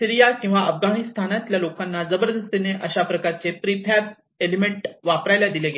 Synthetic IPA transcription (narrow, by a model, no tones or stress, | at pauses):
siɾijakĩw̃ʋaəfɡanist̪ʰanat̪ljalokanːad͡zəbəɾd̪əst̪eneʔəɕapɾəkaɾt͡sepɾipʰæb̚ | elimeɳʈʋapɾajlad̪ileɡe